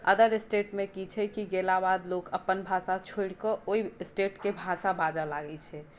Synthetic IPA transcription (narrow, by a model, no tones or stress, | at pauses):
ə̰d̪əɾesʈeʈmekit͡ʃʰɛkiɡelabad̪lokəpːənbʱasat͡ʃʰoiɽkɔʔoisʈeʈkebʱasabad͡ʒalaɡɛt͡ʃʰɛ